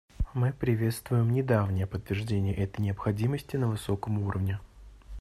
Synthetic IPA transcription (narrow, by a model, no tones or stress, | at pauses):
mɨpɾʲɪvʲe̞t̪st̪vʊjɪmnʲɪd̪avnʲɪjəpət̪ːvʲɪrʐdʲenʲɪjəʔɛt̪əjnʲɪəpxɐdʲiməsʲtʲɪnəvɨso̞kəmuɾə̰vnʲɪ